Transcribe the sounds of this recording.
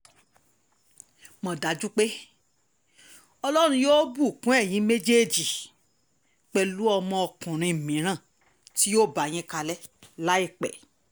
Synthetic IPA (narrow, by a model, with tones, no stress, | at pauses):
mɔ̃˧da˨˦d͡ʒu˦k͡pe˦ | ɔ˧lɔ˦ɾ̃ũ˧joː˦bu˦˨kũ˨˦ɛ˦˨j̃ĩ˨˦me˦d͡ʒe˦˨d͡ʒi˨ | k͡pɛ˧lu˦ɔ˧mɔ̃˧ɔ˧kũ˨ɾ̃ĩ˧˨mĩ˨˦ɾ̃ã˦˨ | ti˦jo˦˨ba˨j̃ĩ˦ka˧lɛ˦la˦i˦˨k͡pɛ̰˨